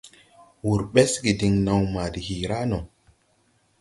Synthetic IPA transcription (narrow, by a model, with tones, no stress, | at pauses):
wu˨ɾɓe˦sɡi˨di˨ŋna˨wma˨di˨hi˨ɾa˦no˨